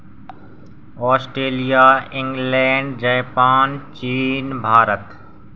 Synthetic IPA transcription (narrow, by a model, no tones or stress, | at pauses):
ɔːsʈɾeːlijaːɪ̃ŋɡlẽːɳɖd͡ʒɛːpaːnt͡ʃiːnbʱaːɾət̪